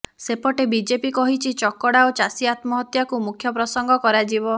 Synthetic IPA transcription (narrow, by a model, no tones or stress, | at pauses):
sepɔʈebid͡ʒepikɔɦit͡ʃʰit͡ʃɔkɔɽaot͡ʃasiat̪mɔɦɔt̪jakumukʰjɔpɾɔsɔŋɡʱɔkɔɾad͡ʒibɔ